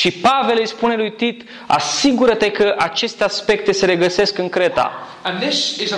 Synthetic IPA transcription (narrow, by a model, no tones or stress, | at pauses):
ʃipave̞lejspune̞lujt̪it̪ | a̰siɡuɾət̪e̞kəʔat͡ʃe̞st̪easpe̞k̚t̪e̞se̞ɾe̞ɡəse̞skɨŋkɾe̞t̪a̰ | ə̃nðɪsɪzə